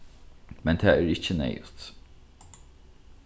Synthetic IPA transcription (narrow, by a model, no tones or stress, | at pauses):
mɛnt̪ʰæːæːɾɪçənɛ̰ɪt̪